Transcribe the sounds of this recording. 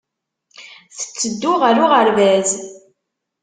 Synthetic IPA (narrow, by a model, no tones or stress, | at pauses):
θə̥t͡sːəd̪ːʊʁəɾʊʁəɾvæz